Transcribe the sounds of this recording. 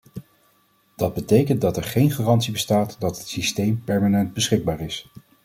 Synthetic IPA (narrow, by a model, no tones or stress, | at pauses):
d̥ɑd̚bətejkəndɑtɛɹχejnχaːrɑntsibəstaːtdɑtɦətsistejmpɛɹmaːnɛntd̚bəsχɪɡ̚baːɹɪs